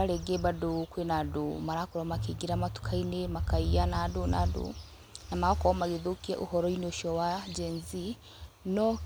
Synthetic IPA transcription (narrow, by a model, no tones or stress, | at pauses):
aɾeɡebadukwenadumaɾakuɾomakiɡiɾamatu̥kʰainemakaijanaduna̰dṵ | namaokɔwamaɡiðukia̰ʔṵhɔɾɔinoʃowad͡ʒeːnzi | no